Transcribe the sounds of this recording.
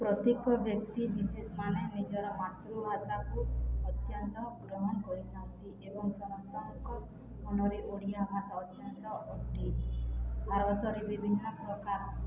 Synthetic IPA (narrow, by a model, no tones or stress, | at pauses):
pɾɔt̪ekɔbjɔk̚t̪ibisesmanenid͡ʒɔɾɔmat̪ɾuɦat̪akuɔt̪jɔnt̪ɔɡɾɔɦɔnɔkɔɾid͡ʒaũnt̪iʔebɔŋsɔnɔst̪ʰanɔkɔ | mɔnɔɾeʔoɽijamasawt͡ʃɔnt̪ɔʔɔʈi | baɾɔt̪ɔɾebibʱinːɔpɾɔkaɾɔ